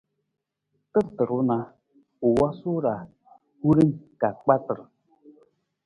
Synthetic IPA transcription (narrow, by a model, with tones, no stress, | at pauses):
tɨ˦ɾtɨ˨ɾu˦na˨ | u˨wɔ˦su˦ɾa˨ | hu˦ɾi˦ŋka˨k͡pa˦tɨ˨ɾ